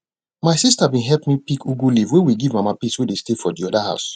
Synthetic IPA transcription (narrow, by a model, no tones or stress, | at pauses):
maɪsistabĩɦɛpmipikʰuɡulivwewiɡivmamapiswedestefɔdiɔdaha̰ʊs